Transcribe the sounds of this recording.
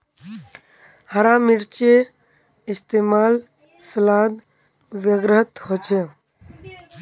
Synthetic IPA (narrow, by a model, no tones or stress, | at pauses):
həɾaːmɪɾt͡ʃe | ɪst̪eːmaːl | səlaːd̪ | ʋjəɡɾəɦət̪hot͡ʃʰe